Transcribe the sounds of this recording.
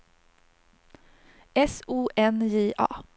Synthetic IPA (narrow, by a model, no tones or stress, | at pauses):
ɛsuːʔɛnjeːʔɑ̰ː